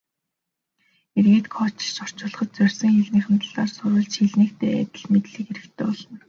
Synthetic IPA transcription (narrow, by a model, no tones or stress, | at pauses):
erɣeːt̪kʰɔt͡ɕʃɔr̥t͡ɕʊːɮ̆χɞ̆t̪̚t͡sœrʲsɞ̆ŋxiɮniːχə̆nt̪ə̆ɮ̥aːrsʊɾə̆ɮt͡ɕxiɮniːk̚t̪ʰeːæ̰t̪ʲɪ̆ɮmet̪ɮiːkeɾɘ̆kt̪ʰeːpɔɮə̆n